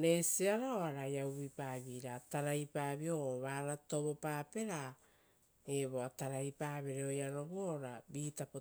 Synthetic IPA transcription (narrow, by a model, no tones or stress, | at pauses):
ne̞siaɾaoaɾajawβipaːβiːɾataɾajpaːβio̞βaːɾato̞βo̞paːpe̞ɾa | eβo̞ataɾajpaːβeɾeo̞jano̞βuoɾabiːtapo